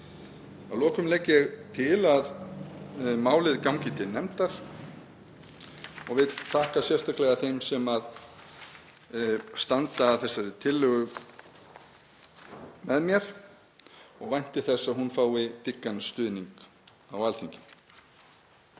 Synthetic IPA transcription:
awlɔːkʏmlɛːcːɛɣt̪ʰɪlað | maːwlɪðkawŋcɪt̪ɪnɛmt̪aɾ̥ | ɔɣvɪðt̪ʰaːhkasjɛrst̪ahklɛɣaθejmsɛmað | st̪ant̪aːθɛsːaɾɪt̪ʰɪlːʏɣʏ | mɛðmjɛɾ̥ | ɔɣvajn̥t̪ɪθɛsːaðhunfaːwɪt̪ɪkːanst̪ʏːðniŋk | awalθiɲcɪ

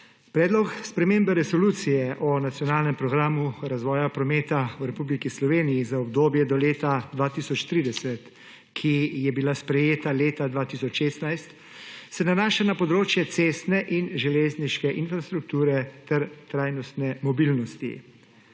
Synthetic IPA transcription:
pɾɛːd̪lɔkspɾɛmembɛɾɛsɔluːt̪sijɛʔɔnat̪sjɔnaːlnɛmpɾɔɡɾaːmuɾazʋɔːjapɾɔmeːt̪awɾɛpublikislɔʋeːnijizaɔbd̪oːbjɛd̪ɔleːt̪ad̪ʋaːt̪isɔt͡ʃt̪ɾiːd̪ɛsɛt̪ | kʰijɛbilaspɾɛjeːt̪aleːt̪ad̪ʋaːt̪isɔt͡ʃʃeːst̪najst̪ | sɛnanaːʃanapɔd̪ɾoːt͡ʃjɛt̪seːst̪nɛʔinʒɛleːzniʃkɛʔinfɾast̪ɾuk̚t̪uːɾɛt̪ɛɾt̪ɾaːjnɔst̪nɛmɔbilnɔst̪ḭ

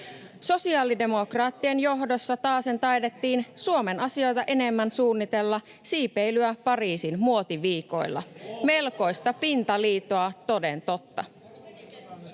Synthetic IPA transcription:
so̞siɑːlide̞mo̞krɑːt̪ːienjo̞ɦdo̞sːɑt̪ɑːse̞nt̪ɑjde̞t̪ːiːnsuo̞me̞nɑsio̞jt̪ɑʔe̞ne̞mːænsuːnːit̪e̞lːɑ | siːpejlyæpɑriːsinmuo̞t̪iʋiːko̞̰jlːɑ̰me̞lko̞jst̪ɑpint̪ɑliːt̪oɑt̪o̞de̞nt̪o̞t̪ːɑ̰

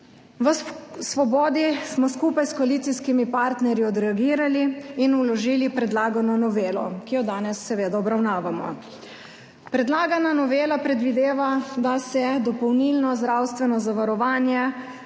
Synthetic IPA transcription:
ʋəsʋɔbɔːd̪ismɔskuːpajskɔaliːt̪siskimipaɾt̪nɛɾjiɔd̪ɾɛaɡiːɾaliːnulɔʒiːlipɾɛd̪laːɡanɔnɔʋeːlɔ̰kijɔd̪aːnɛsːɛʋeːd̪aɔbɾawnaːʋamɔ̰ | pɾɛd̪laːɡananɔʋeːlapɾɛd̪ʋid̪eːʋad̪asɛd̪ɔpɔwnilnɔzd̪ɾawst̪ʋɛnɔzaʋaɾɔʋaːnjɛ

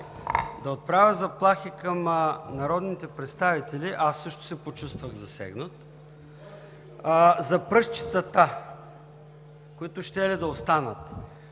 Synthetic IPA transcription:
d̪ɐot̪̚pɾavʲəzɐplˠaxikɐmnɐɾɔd̪nit̪ɛpɾɛt̪st̪avit̪ɛliʔasːɤʃt̪ʊ̥sɛpot͡ʃust̪vəɣzɐsɛ̰ɡnət̪ | zɐpɾɤʃt͡ʃi̥t̪ət̪a | koit̪ʊʃt̪ɛlid̪ɐost̪anət̪

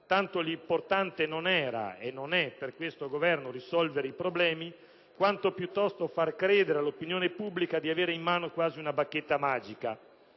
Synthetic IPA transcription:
t̪ant̪olimport̪ant̪enonɛːɾa̰enːonɛperkwest̪oɡovɛrnorisɔlveɾeipɾoblɛːmi | kwant̪opjut̪ːɔst̪ofarkɾɛːd̪eɾealːopinjoːnepubːlikad̪iaveːɾeimːaːnokwaːziunabakːet̪ːamaːd͡ʒika

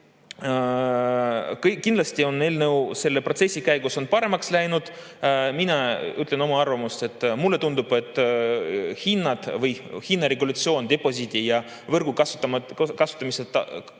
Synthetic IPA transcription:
kkːind̪lɑst̪io̞nelnɤwse̞lːe̞pro̞t̪se̞sʲːikæjɡuso̞npɑɾe̞mɑkslæjnud̪̥ | minɑyt̪ːˑleno̞mɑɑrvɑmust̪e̞t̪ːˑmulːe̞t̪und̪ub̥e̞t̪ːˑ | hinːɑd̪̥vɤjhinːɑɾeɡulɑt̪sio̞ːnd̪̥e̞po̞sʲit̪ijɑ | vɤrɡ̥ukɑst̪ːmkɑsu̥t̪ːˑɑmiset̪ɑ̰

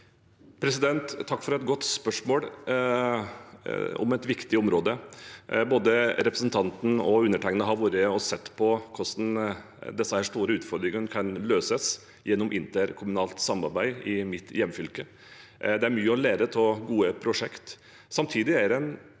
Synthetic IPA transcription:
pʰɾɛsɪd̪ɛnt̪ʰːɑkːfɔɾɛt̪ɡɔt̪ːspœʂmoːl | ɔ̰mɛt̪ʋɪkt̪ɪɔmɾoːd̪əboːd̪əɾɛpɾəsn̩t̪ʰɑnt̪n̩ɔʉnːəʈʰæɪŋənəɦɑɾʋuːɾəɔsɛt̪ːpʰɔkʰɔsn | d̪ɛsːəhæːʂt̪uːɾəʉːt̪fɔɾd̪ɾɪŋənkʰɑnløːsəs | jɛnːɔmʔɪnt̪əɾkʰʊmʉnɑːlt̪sɑmɑ̰ɾbæɪɪmɪt̪jɛmːfʏlkə | d̪ɛæɾmyːəɔleːɾət̪ʰɔɡuːəpʰɾʊʂɛkt̪ | sɑmt̪ʰiːd̪ɪæɾɛn

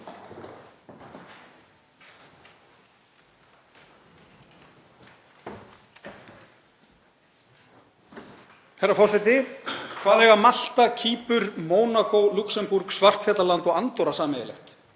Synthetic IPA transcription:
fɛrːafɔr̥sɛt̪ɪkʰv̥aːðɛɣamal̥t̪acʰiːpʏɾmɔːwnakowluksɛmpuɾksvar̥t̪fɛːt̪lalant̪ɔɣant̪ɔwɾasaːmɪðɪlɛ̰xt̪

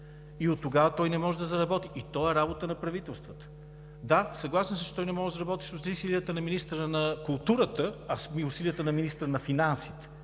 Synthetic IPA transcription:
iot̪ːoɡavət̪ɔjnɛmɔʒɛd̪ɐzɐɾɐbɔt̪iit̪ɔɛɾabot̪ənɐpɾɐvit̪ɛlˠst̪vət̪ə̥ | d̪asɐɡlˠasɛmsət͡ʃɛt̪ɔjnɛmɔʒɛzɐɾɐbɔt̪i̥sost̪isilijət̪ənɐminist̪əɾənɐkʊlˠt̪uɾət̪əɐsmiʊsilijət̪ənɐminist̪ɾənɐfinansi̥t̪ɛ̥

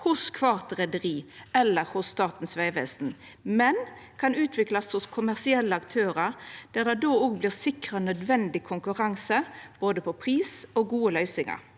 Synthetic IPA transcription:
hʊskʰʋɑʁt̪ʁɛd̪əʁiːɛlːəɾhʊsːt̪ɑːʁt̪n̩sʋæɪʋɛsn̩ | mɛn | kʰɑnʉːt̪ʰʋɪklɑshʊskʰʊmæʁsɪɛlːəɑkt̪ʰøːɾəɾd̪̥æːd̪ɛd̪oːoːɡblɪːʁsɪkʁənœd̪ʋɛnd̪ɪkʰʊŋkʉʁɑŋsəb̥oːd̪əpʰɔpʰʁiːsoːɡuːəlœʏsɪŋɑ̰ɾ

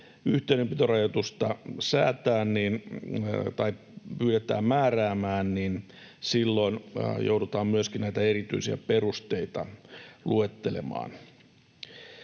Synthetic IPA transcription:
yht̪einempit̪orɑjot̪ust̪ɑsæ̰ːt̪æːnnin | t̪ɑi | pyːɾet̪æ̰ːmmæːræːmæːnnin | silːo̞injowdut̪ɑːmmyøskinnæit̪æeɾit̪y̰isiæ̰perust̪eit̪ɑ̰luet̪ːelḛmɑ̰ːn

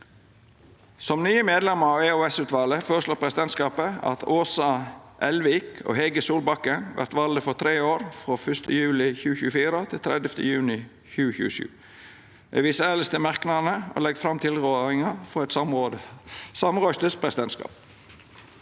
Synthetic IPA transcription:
sɔmnyːəmeːd̪lɛməɾɑːʋeːoːɛsʉːt̪ʋɑːləfoːɾəʂloːpʰɾɛsɪd̪ɛnt̪skɑːpəɑ̰t̪ʰoːsɑʔɛlʋɪːkʰo̰ːhɛɡəsuːlbɑkːənʋʔæ̰ʁt̪ʋɑld̪əfɔt̪ʰɾeːoːɾfɾoːfœst̪əjʉːlɪçʉːəçʉːəfiːɾət̪ʰɪlt̪ʰɾɛ̰d̪jəft̪ʰə̰jʉːnɪ | çʉːəçʉ̰ːəʃʉ̰ː | ḛːʋiːsəæːləst̪əmɑʁknɑnəʔo̰ːlɛɡfɾɑmt̪ʰɪlʁøːɾɪŋɑfɔɛt̪smː | sɑmʁœst̪əspʰɾɛsɪd̪ɛnskɑ̰ːp̚

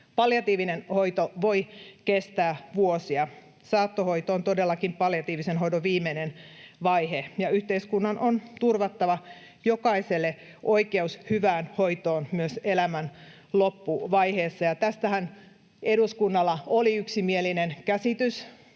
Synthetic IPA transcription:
pɑljɑt̪iːʋinenhoit̪oʋoikest̪æːʋuosiɑ | sɑːt̪ːohoit̪oːnt̪odelːɑkimpɑljɑt̪iːʋisenɦoidoʋiːmːenenʋɑihejɑyht̪eiskunːɑnʔont̪urʋɑt̪ːɑʋɑ | jokɑiselːe | ʔoikeushyʋæːnhoit̪oːnmyøselæmæn | lopːuʋɑiheːsːɑjɑt̪æst̪æhæn | eduskunːɑlːɑoliyksimielinenkæsit̪ys

